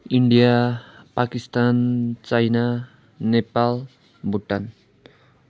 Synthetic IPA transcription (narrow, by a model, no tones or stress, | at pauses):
iɳɖijapakist̪ant͡sajna | nepal | buʈːan